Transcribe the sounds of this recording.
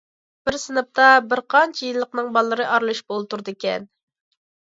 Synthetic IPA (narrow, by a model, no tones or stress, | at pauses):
b̥ɪɾsɨnɨp̚t̪ɑbɪɾqʰɑnt͡ʃʰɛjilˠːəqnɨŋbɑlˠːɨɾɨʔɑɾlˠuʃbolˠt̪uɾd̪ɨkʲɛn